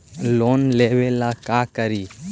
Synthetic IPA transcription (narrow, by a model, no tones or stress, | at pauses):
lonlebelakakəɾi